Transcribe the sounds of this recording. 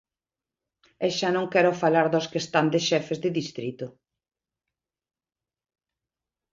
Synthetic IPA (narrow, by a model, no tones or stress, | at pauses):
ɛʃanõŋkɛɾʊfalaɾðoskest̪and̪eʃɛfezðɪðist̪ɾit̪ʊ